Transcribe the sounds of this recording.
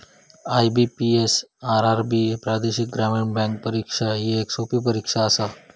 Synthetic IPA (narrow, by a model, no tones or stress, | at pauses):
ajbipiesaɾaɾbiepɾad̪eʃik̚ɡɾameɳbɛ̃ŋk̚pəɾikʂajieːksopip̬əɾikʂaəsa